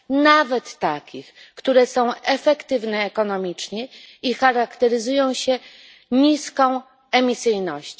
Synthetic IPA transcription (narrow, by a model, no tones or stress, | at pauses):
navɛt̪ːakʲixkt̪uɾɛsɔ̃w̃ɛfɛkt̪ɘvnɛːkɔnɔmʲit͡ʂɲɛixaɾakt̪ɛɾɘzujɔ̃w̃ɕɛ | ɲiskɔ̃w̃ | ɛmʲisɘjnɔɕt͡ɕ